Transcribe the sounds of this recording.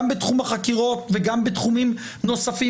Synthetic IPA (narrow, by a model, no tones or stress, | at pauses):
mbetχumaχakiʁo̞tveɡambetχumim | no̞safi